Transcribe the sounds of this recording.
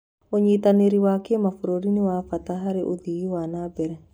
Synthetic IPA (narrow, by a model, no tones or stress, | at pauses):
oɲit̪aneɾiwakemafoɾoɾiniwafat̪aɦaɾeʔodiiwanabɛɾɛ